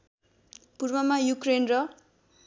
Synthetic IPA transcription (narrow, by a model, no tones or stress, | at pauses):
purmʌmajukrenrʌ